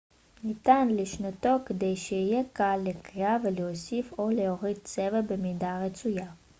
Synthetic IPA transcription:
nit̪anleʃnat̪o̞ked̪ejʃeijekalːekʁiaveleosifo̞leoʁid̪̚t͡sevabemid̪aʁet͡suja

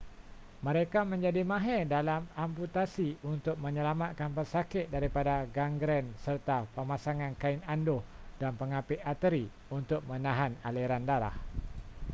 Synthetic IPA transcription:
mə̃ɾekamə̃ɲd͡ʒadimãɦɛdalamamput̪asiunt̪ʊk̚mə̃ɲə̃lamat̪̚kanpərsakɪt̪̚daɾipadaɡaŋɡɾɛnsərt̪apəmasaŋãnkaɪnandʊh | danpəŋapɪʔat̪əɾi | unt̪ʊk̚mə̃nãɦanaleɾandaɾa̰h

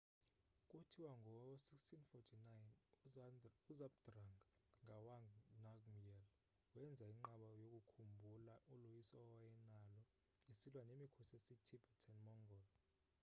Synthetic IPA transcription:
kʼutʰiwaŋɡʱɔsikstʰinfɔtʰinajn | uzamd̥raŋʱaŋʱawaŋnakmijɛl | wɛnd͡zʱaiŋ͡ǃaɓajokʼukʰumbʱulaʔulujisɔwajɛnalɔ | isilwanemikʰɔsesitʰibʰatʰɛnmɔŋɡɔːlɔ

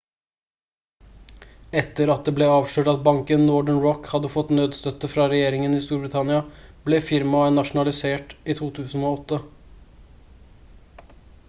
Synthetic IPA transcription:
ɛt̪ːəɾɑt̪̚d̪eːblɛːɑːʋʂøːʈɑt̪̚bɑŋkənlɔɖəɳɹɔkhɑd̪ːəfɔt̪nøːd̪st̪œt̪əfɾɑɾɛjeːɾɪŋəniːst̪uːɾbɾɪt̪ʰɑnɪɑb̥lɛːfɪɾmɑnɑʂʊnɑlɪseːʈiːt̪ʰuːt̪ʰʉːsn̩oːɔt̪ːə

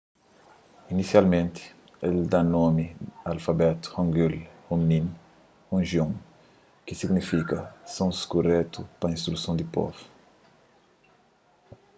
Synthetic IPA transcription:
inisialmẽnt̪ɪ̥ | eld̪anomialfabɛt̪u̥hɔ̃ŋɡilhomnĩn | hõʒiõŋ | kisiɡnifikɐsõnskurɛt̪upɐĩnst̪ɾusõw̃d̪ipɔ̰vu̥

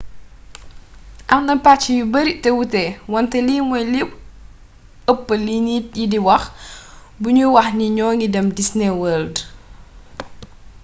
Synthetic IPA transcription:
ʔɐŋnɐpat͡ʃːijubəɾiʔtɛwutɛwɔntɛliːmɔjlip | əpːəliniːt̚jidiwɐx | buɲuwɐxniɲɔːŋidɛmdisnɛwəːld

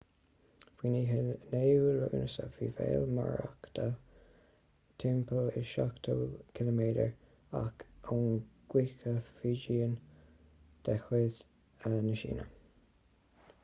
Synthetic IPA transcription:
v̥iːniːɦneːulʊ̰ɡnəsəviːvḛːlma̰ɹakd̪̥a | t̪ʰɛmpʰəlɪʃakt̪ʰəkʰɪləmeːdəɹ | akunɡ̥wikəfiːd͡ʒiːən | d̪̥ɛxweːð | ənəʃḭːnə

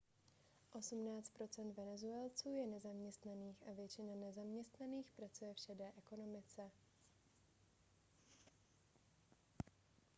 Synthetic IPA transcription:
ʔo̞sumnaːt͡st̪pɾot͡sɛnd̪vɛnɛzuɛlt͡suːjɛnɛzamɲɛst̪naniːxʔavjɛt͡ʃɪnanɛzamɲɛst̪naniːxpɾat͡sujɛfʃɛdɛːʔɛko̞nomɪt͡sɛ

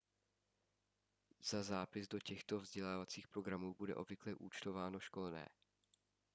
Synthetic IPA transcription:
z̥azaːpɪzdo̞cɛxt̪o̞vzɟɛlaːvat͡siːxpɾo̞ɡɾamuːbudɛ̰ʔo̞bvɪklɛʔuːt͡ʃt̪o̞vaːno̞ʃko̞lnɛ̰ː

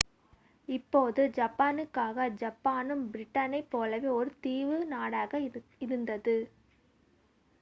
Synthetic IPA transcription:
ɪpːoːðɯd͡ʒɐpːaːnɯkːaːɣɐd͡ʒɐpːaːnɯmbɪɾɪʈːɐnɐɪpːoːlɐʋeːɔɾɯt̪iːʋɯnaːɽaːɣɐɪɾɯnd̪ɐðɯ

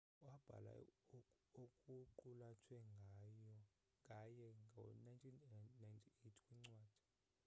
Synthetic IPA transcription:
wab̥ʱa̰la̰ | okʼuǃulatʰwɛŋɡʱajɔ | kʼajɛŋɡʱa̰najntʰinnajntʰietʰkʼwiŋ͡ǀwaːd̥ʱi̥

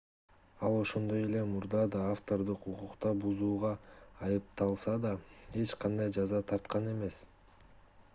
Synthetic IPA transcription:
ɑlˠo̞ʃo̞nd̪o̞je̞le̞muɾd̪ɑd̪ɑːft̪o̞ɾd̪ɯququqt̪ɑbuzuːʁɑːjɯp̚t̪ɑlˠsɑd̪ɑe̞t͡ʃqʰɑnd̪ɑjd͡ʒɑzɑt̪ʰɑɾt̪qɑne̞me̞s

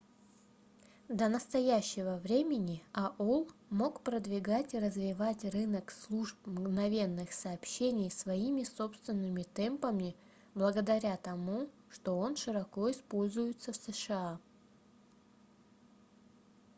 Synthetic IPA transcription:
d̪ənəst̪ɐjæɕːɪvəvɾʲemʲɪnʲɪɐʔolˠmo̞kpɾəd̪vʲɪɡatʲiɾəzvʲɪvatʲrɨnəkslˠuʐpmɡnɐvʲe̞nːɨxsɐːpɕenʲɪjsvɐimʲɪso̞pst̪vʲɪnːɨmʲɪt̪ɛmpəmʲɪ | blˠəɡəd̪ɐɾʲat̪ɐmu | ʂt̪o̞o̞nʂɨɾɐko̞ɪspo̞lʲzʊjɪt̪səfsəʂɨa

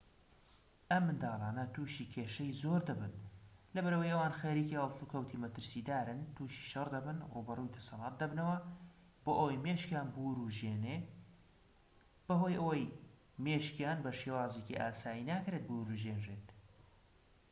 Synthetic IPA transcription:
ʔɐmːɨnd̪aːlaːnɐt̪uːʃiːkʰeːʃɐjzoːɾd̪ɐbɨnlɐbɐɾəwɐjʔɐwaːnxeɾiːkihɐlˠsukʰɐwt̪ʰimɐt̪ɨɾsiːd̪aːɾɨnt̪ʰuːʃi̥ʃɐrd̪ɐbɨnrubɐrujt̪ʰɐ̥sɑlˠɑːt̪̚d̪ɐbnɐwɐ | b̥oːʔowjmeːʃkjaːnbuːɾuʒjene | b̥ɐɦojʔɐwɐj | meːʃkjaːnbɐʃewaːzeciʔaːsaːinaːkɾet̪̚buɾuʒeːnʒeːt̪

